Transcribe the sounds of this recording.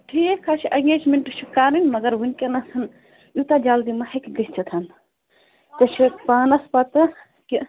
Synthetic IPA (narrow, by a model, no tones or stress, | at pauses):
ʈʰiːkʰːat͡ʃʰiʔɐŋɡeːd͡ʒmeɳʈɨʃʰikaːɾinʲmɐɡɐɾɦunkʲenɐsɐn | jut̪ad͡ʒaːld̪imɐhɐkʲɡisʲt͡ʃʰit̪ʰɐn | t̪ɐt͡ʃʰipaːnɐspɐt̪ɨ | ki